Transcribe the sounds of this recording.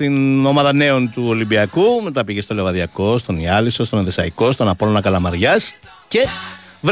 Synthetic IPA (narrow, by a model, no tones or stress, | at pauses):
t̪ino̞mɐðɐne̞o̞nt̪uo̞limbiɐkumet̪ɐpiʝest̪o̞le̞vɐðʝɐko̞st̪o̞niɐliso̞st̪oneðesɐiko̞st̪onɐpo̞lonɐkɐlɐmɐɾʝɐs | ce̞v